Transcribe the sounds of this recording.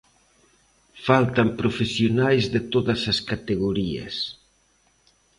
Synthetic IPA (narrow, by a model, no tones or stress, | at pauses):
falt̪ɐmpɾofesjonajzðɪt̪oðɐsɐskat̪eɣoɾiɐ̰s